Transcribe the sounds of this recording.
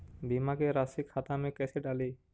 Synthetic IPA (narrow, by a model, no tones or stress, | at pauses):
bimaɡeɾasikʰːat̪amekɛseɖali